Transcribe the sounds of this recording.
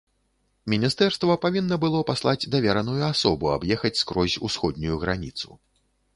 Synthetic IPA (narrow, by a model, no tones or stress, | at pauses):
mʲinʲist̪ɛrst̪vɐpavʲinːɐbɨlˠɔpaslˠad͡zʲd̪avʲɛɾɐnujuasɔbua̰bjɛxɐt͡sʲskɾɔzʲusxɔd̪nʲujuɣɾanʲit̪sṵ